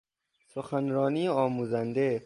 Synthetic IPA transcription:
soxænɾɒːniːɒːmuːzænd̪e

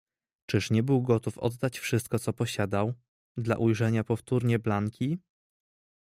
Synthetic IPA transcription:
t͡ʂɘʂɲɛbɘwɡɔt̪ufɔ̰d̪ːat͡ɕfʂɘst̪kɔt̪sɔpɔɕad̪aw | d̪la̰ʔujʐɛɲapɔft̪uɾɲɛblaŋkʲʰi

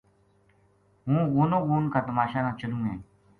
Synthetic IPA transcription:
ɦũːɣoːnõːɣoːnkaːt̪əmaːʃãːkãːt͡ʃəlũːɦẽː

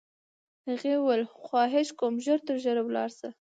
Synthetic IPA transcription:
aɣewəlxwɑɦɪʃkomʒəɾt̪əɾʒəɾawlɑ̰ɾsa

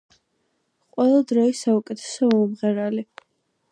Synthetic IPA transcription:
qʼwɛlˠad̪ɾɔisaukʼɛt̪ʰɛ̥sɔɔumʁɛɾali

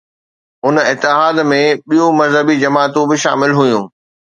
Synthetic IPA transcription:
ʊnɪt̪ːɪɦaːd̪mẽɓijũmɐzɦəbid͡ʑɐmaːt̪ũbɪʃa̰ːmɪlɦʊjũː

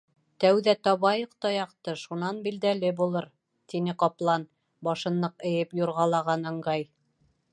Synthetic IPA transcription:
t̪æwðæt̪ɑβɑjɤqt̪ɑjɑqt̪ɤʃunɑnbild̪ælɘbulˠɤɾ | t̪inɘqɑplˠɑn | bɑʃɤ̆nːɤqɘ̆jɘpjuɾʁɑlˠɑʁɑnɑ̆ɴɢɑj

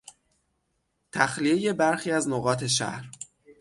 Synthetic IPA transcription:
t̪ʰæxlije̞je̞bæɾxiːæznoɣɒːt̪ʰe̞ʃæ̰hɾ

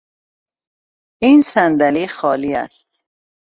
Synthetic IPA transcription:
insænd̪æliːxɒːliːæ̰st̪̚

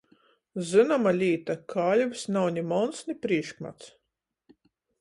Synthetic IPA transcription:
zɨnɔmalʲiːt̪akʰaːlʲvsnawɲʲimɔnsnʲipɾiɛʃkma̰t̪s

